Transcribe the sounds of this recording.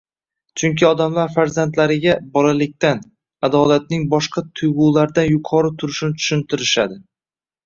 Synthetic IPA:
t͡ʃʰʊŋkʲʰɪɒd̪amlaɾfaɾzant̪laɾɪɡʲabɒlalɪk̚ʲt̪an | ad̪ɒlat̪̚nɪŋbɒʃqʰɑt̪ʰʊjʁʊːlaɾd̪anjʊqʰɒɾɪt̪ʰʊɾɪʃnɪt͡ʃ̪ʰʊ̥ʃɪnt̪ʰɪɾɪʃad̪ɪ

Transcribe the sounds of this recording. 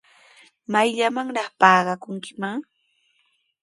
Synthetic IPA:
majʎamaŋɾɑχpɑːɢɑkʊŋkɪmaŋ

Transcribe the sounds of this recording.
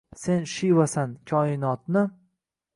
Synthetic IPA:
se̞nʃivasankʲʰɒɪnɒt̪nɪ

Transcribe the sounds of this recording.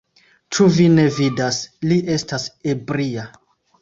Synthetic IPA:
t͡ʃuvine̞vidasliʔe̞stase̞bɾia

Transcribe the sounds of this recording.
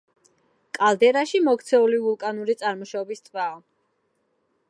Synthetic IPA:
kʼalˠd̪ɛɾaʃimɔkt̪sʰɛulivulˠkʼanuɾit̪sʼaɾmɔʃaɔbist̪ʼvaɔ

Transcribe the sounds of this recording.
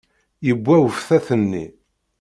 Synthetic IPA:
jəbʷːæwəfθæθənːḭ

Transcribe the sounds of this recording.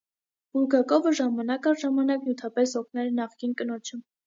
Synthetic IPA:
b̥uɾɡɑkɔvəʒɑmɑnɑkɑʒɑmɑnɑknjut̪ʰɑpɛsɔkʰnɛɾnɑχkinkənɔt͡ʃʰə

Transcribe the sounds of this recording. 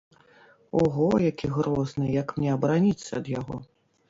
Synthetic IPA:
ɔɣɔjakʲiɣɾɔznɨjɐkmnʲɛɐbɾanʲit̪sːɐ̰ːd̪jaɣɔ̰

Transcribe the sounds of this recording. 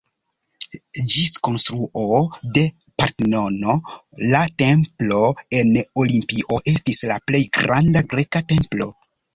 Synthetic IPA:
d͡ʒisko̞nstɾuʔo̞de̞ | paɾtno̞no̞late̞mplo̞e̞no̞limpiʔo̞ʔe̞stislaple̞jɡɾandaɡɾe̞kate̞mplo̞̰

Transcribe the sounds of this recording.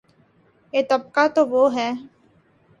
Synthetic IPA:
et̪ɐb̚kat̪oʋoːɦɛː

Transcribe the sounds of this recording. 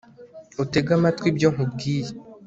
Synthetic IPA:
oteɡamatwibjoːŋub̚ɡiːje

